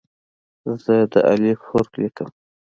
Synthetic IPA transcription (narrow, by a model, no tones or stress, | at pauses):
zəd̪ə̰ʔa̰lixoɾklikəm